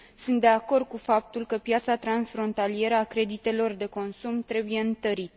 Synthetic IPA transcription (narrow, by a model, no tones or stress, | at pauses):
sɨnt̪̚d̪e̞ako̞rd̪̚kufap̚t̪ulkəpjat̪sat̪ɾansfɾo̞nt̪alije̞ɾəakɾe̞d̪it̪e̞lo̞rd̪e̞ko̞nsumt̪ɾe̞buje̞ɨnt̪əɾit̪